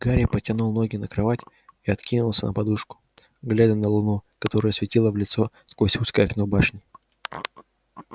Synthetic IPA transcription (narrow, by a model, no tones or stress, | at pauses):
ɡ̥aɾʲɪpətʲɪnulˠno̞ɡʲɪnəkɾɐvatʲ | iɐt̪kʲinʊlˠsʲənə̰pɐd̪uʂkʊ̥ | ɡlʲad̪ʲənəlˠʊnukɐt̪o̞ɾəjsvʲɪtʲilˠəvlʲɪt̪so̞skvosʲuskəjɐknobaʂnʲɪ